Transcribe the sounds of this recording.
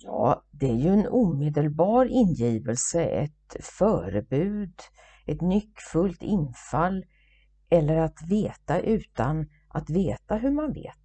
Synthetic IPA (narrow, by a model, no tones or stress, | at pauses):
jɑ̰ːd̪ɛæɾjɵɛnuːmeːd̪əlbɑːɾɪnjiːvəlsəɛ̰t̪fœːɾəbʉ̟ːd̪ | ʔɛt̪nʏkːfɵlt̪ʰɪnfalː | ʔɛlːəɾat̪veːt̪aʔʉ̟ːt̪an | ʔat̪veːt̪aɦɵɾmanvḛːt̪